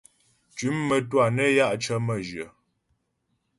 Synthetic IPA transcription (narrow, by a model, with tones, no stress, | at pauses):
t͡ʃʉ˨˦mːə˦twa˨nə˦ja˦ʔt͡ʃə˦mə˦˨d͡ʒjə˨